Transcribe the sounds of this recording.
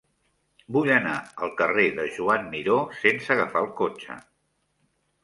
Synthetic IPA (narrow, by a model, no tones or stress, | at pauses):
buʎənaəlˠkəreðəʒuamːiɾosensəɣəfaəlˠkot͡ʃə̰